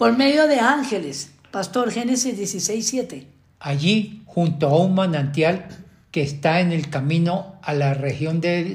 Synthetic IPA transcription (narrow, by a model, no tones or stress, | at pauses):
poɾme̞ðjoðeaŋxeles | past̪o̞ɾxenesizd̪jesisejsːjet̪e | ajixunt̪oaumanãnt̪jal | keːst̪aenelkamĩnoalarexjond̪e